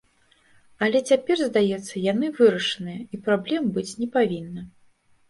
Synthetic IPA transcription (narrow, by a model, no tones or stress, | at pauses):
ɐlʲɛt͡sʲapʲɛrzd̪ajɛt̪sːɐjanɨvɨɾɐʂɨnɨjɐipɾablʲɛmbɨt͡sʲnʲɛpavʲinːɐ